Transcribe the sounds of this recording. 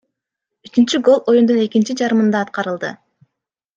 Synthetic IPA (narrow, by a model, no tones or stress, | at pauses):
yt͡ʃynt͡ʃyɡo̞lˠo̞jund̪une̞kint͡ʃid͡ʒɑɾɯmɯnd̪ɑːt̪̚qɑɾɯlˠd̪ɯ